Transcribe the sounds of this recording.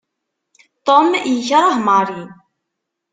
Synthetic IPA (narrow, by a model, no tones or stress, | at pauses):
t̪ˤomjəçɾˤɑɦmɑɾˤi